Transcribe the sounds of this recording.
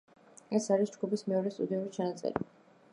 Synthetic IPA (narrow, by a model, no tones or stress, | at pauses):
ɛsaɾisd͡ʒɡupismɛɔɾɛst̪ʼud̪iuɾit͡ʃʰanat̪sʼɛ̰ɾi